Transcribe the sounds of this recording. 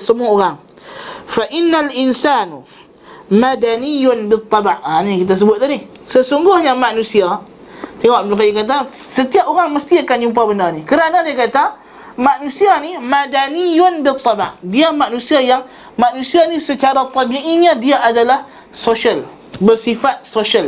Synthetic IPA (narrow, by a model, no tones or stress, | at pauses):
səmuaoɾaŋ | faʔɪnːalɪnsanu | madanijʊnbɪt̪ˤːɑbaʔaniŋkit̪̬as̬əbʊt̪̚adɪhsəsuŋɡʊhɲamaʔnũsia | t̪eŋɔʔblakajikat̪asət̪iap̚oɾaŋməst̪iakand͡ʒump̬abəndarnikəɾanadiakat̪a | maʔnũsianimadanijʊnbɪt̪ˤːɑba̰ʔdiamaʔnũsiajaŋ | maʔnũsianisət͡ʃaɾat̪ˤɔbiʔiɲãdiaʔadalah | soʃal | bərsifat̪̚soʃal